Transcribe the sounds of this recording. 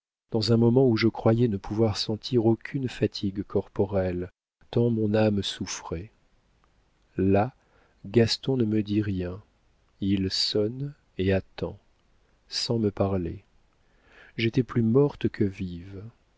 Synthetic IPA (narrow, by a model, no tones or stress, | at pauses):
d̪̥ɑ̃zɛ̃mɔmɑ̃uʒəkχwajɛnəpʰuvwaʁsɑ̃t̪ʰiʁokʲʰynfat̪ʰiɡkʰɔʁpɔʁɛl | t̪ɑ̃mɔ̃namsufχɛ | la | ɡast̪ɔ̃nəməd̪iʁjɛ̃ | ilsɔn | eat̪ɑ̰̃ | sɑ̃məpaʁle | ʒet̪ɛplymɔʁt̪kʰəviv